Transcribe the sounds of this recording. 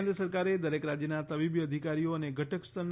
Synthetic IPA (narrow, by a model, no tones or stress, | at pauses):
nd̪ɾəsəɾkaɾed̪əɾekɾad͡ʒjənat̪əbibjəd̪ʱikaɾijoəneɡʱəʈʰəkst̪ʰən